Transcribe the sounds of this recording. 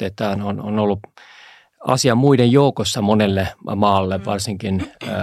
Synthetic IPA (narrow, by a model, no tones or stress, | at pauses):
et̪ːæɑnono̰nolːu | ɑ̰siɑmmuidejjoukosːɑmonelːemɑːlːeʋʋɑrsiŋkinː